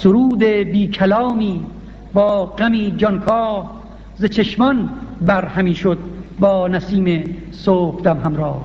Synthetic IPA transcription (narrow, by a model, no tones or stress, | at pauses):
soɾuːd̪ebiːkʰælɒːmiː | bɒːɢæmiːd͡ʒɒnkʰɒːh | zet͡ʃʰeʃmɒnbæɾhæmiːʃod̪̚bɒːnæsiːme | soːfd̪æmɦæmɾɒːh